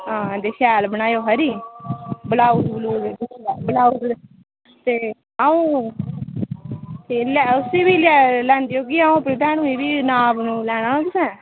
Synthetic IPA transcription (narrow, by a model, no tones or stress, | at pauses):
ãːd̪eːʃɛːlbəɳ̃aːjoːɦəɾiː | bəlaːuːd̪bəluːɾaːbəlaːuːd̪ | t̪eː | aːũː | t̪eːlɛʊsiːbiːlɛːlɛ̃ːnd̪iːoːkiaːũːpɾəd̪ɛːnũːĩːbiːnaːbnũːlɛːɽ̃aːãk̪ɪsɛ̃ː